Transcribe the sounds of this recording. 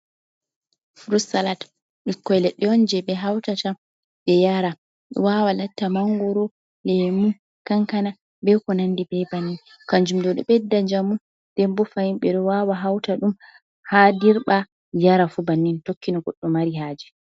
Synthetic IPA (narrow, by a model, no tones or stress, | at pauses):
fɾusalat | ɓikːɔjlɛɗːɛɔnd͡ʒɛɓɛɦawtata | ɓɛjaɾa | ɗɔ̰wawalatːamaŋɡɔɾɔ | lɛmu | kaŋkana | bɛkɔnandibɛbanːin | kaɲd͡ʒumdɔɗɔ̰ɓɛdːad͡ʒamu | d̥ɛmbɔfajimɓɛɗɔwawaɦawtaɗum | hadiɾɓa | jaɾafubanːintokːinɔɡɔɗːɔmaɾihaːd͡ʒɛ